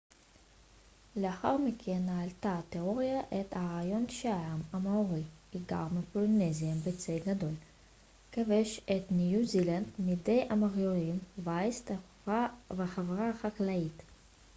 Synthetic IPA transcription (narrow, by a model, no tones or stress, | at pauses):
leaχa̰ʁmikʰenːaːlt̪at̪eʁoʁjaʔet̪haʁajo̞nʃaamamaoʁiiɡa̰ʁmepoloneziambet͡seɡad̪o̞l | kaveʃet̪nijuziland̪mid̪ejʔamaʁjolimvaist̪a | veχavʁaχaklait̪